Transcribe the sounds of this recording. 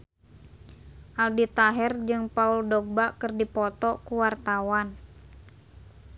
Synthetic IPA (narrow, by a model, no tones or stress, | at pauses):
ʔaldit̪aɦɛrd͡ʒɨŋpauldɔɡ̚bakɨrdipɔt̪ɔkuwart̪awan